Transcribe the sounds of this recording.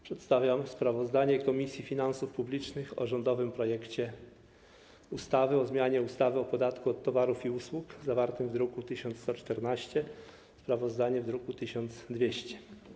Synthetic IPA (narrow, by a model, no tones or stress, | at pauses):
pʂɛt̪st̪avʲjamspɾavɔzd̪aɲɛkɔmʲisʲjifʲinansufpublʲit͡ʂnɘxɔ̰ʐɔnd̪ɔvɘmpɾɔjɛkt͡ɕɛ | ust̪avɘɔzmʲjaɲɛust̪avɘɔpɔd̪at̪kuɔt̪ːɔvaɾufiuswukzavaɾt̪ɘmvd̪ɾukut̪ɘɕɔnt̪st̪ɔt͡ʂt̪ɛɾnaɕt͡ɕɛ | spɾavɔzd̪aɲɛvd̪ɾukut̪ɘɕɔnt̪zd̪vʲjeɕt͡ɕɛ̥